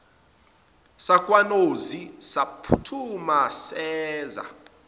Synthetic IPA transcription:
sakʼwanozisapʰutʰumasɛːza̰

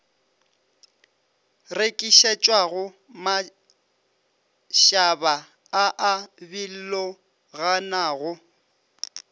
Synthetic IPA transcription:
rekʼiʃet͡ʃʼwaɣʊ | ma | ʃaba | aʔabil̩lɔ | ɣanaːɣʊ

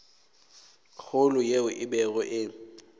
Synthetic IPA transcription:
k͡xʰʊlʊjeʊʔɪbɛɣɔʔɪ

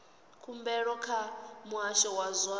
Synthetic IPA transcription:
kʰumbɛɺɔkʰamuaʃɔwazwa

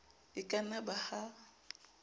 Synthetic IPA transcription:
ɪkʼanabaha

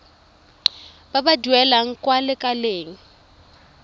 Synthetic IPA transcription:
b̥abaduɛlaŋ̩kʼwalɪkʼaleːŋ̩

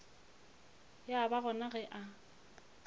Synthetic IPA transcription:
jabaɣɔnaɣɛʔa

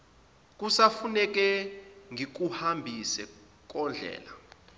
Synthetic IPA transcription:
k̬ʼusafunɛk̬ɛŋʱik̬uhambʱisɛ | k̬ʼɔnd͡ɮʱɛ̰ːla

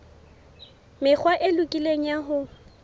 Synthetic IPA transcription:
mɪk͡xʰwaʔɪlʊkʼileŋ̩jaɦʊ

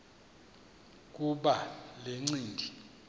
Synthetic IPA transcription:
k̬ʼuɓaleŋ͡ǀiːndʱi

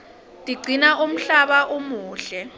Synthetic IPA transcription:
tʼiɡ͡ǀʱinaʔum̩ɬaɓaʔumuːɬɛ

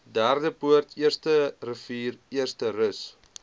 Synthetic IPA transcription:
dærdəpuərtʰiərstərəfiːriərstərəs

